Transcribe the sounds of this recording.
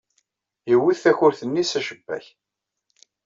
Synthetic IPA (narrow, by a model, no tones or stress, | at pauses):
jəwːiðθæçʊɾθənːisæʃəbːæ̰ç